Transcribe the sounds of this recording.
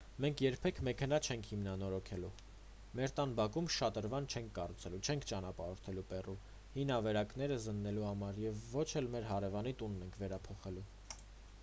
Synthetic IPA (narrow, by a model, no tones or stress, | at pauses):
mɛŋkʰjɛɾpʰɛkʰmɛkʰɛnɑt͡ʃʰɛŋkʰhimnɑnɔɾɔkʰɛlu | mɛɾt̪ɑnbɑkumʃɑt̪əɾvɑnt͡ʃʰɛŋkʰːɑrut͡sʰɛlut͡ʃʰɛŋkʰt͡ʃɑnɑpɑɾɔɾt̪ʰɛlupɛru | hinɑvɛɾɑknɛɾəzənːɛluhɑmɑɾjɛvːɔt͡ʃʰɛlmɛɾɦɑɾɛvɑnit̪unːɛŋkʰvɛɾɑpʰɔχɛlu